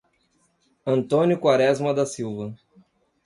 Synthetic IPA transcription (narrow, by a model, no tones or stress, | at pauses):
ɐ̃nt̪õnʲjʊkwaɾɛzmɐd̪ɐsiwvɐ